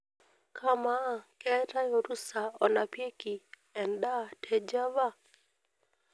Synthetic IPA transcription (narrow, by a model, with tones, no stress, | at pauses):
kʰa˦ma˦˨kɛ˦ta˦jo˨ɾu˦sa˨ɔ˨na˨pje˦ki˨ | ɛ˨nda˦˨tʰɛ˦d͡ʒa˦va˦